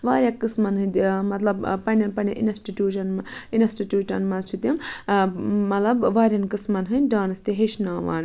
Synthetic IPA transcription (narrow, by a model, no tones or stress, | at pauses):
ʋaːɾʲjakɨsmɐnɦɨnd̪mɐt̪lɐbpɐnʲɐnpɐnʲɐʔḭnsʈiʈʲjuːʃɐnminɐsʈiʈjuːʈɐ̰nmɐt͡ʃʰut̪im | mɐt̪lɐbʋaːɾʲjɐnkɨsmɐnɦɨnʲɖaːnɐst̪iɦeʃnaːʋa̰ːn